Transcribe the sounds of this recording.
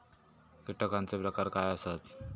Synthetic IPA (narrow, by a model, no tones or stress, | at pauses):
kiʈəkant͡sepɾəkaɾkajəsat̪